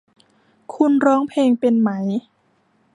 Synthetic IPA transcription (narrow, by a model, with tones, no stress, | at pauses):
kʰu˧nɾɔː˦˥ŋpʰeː˧ŋpe˧nma˦j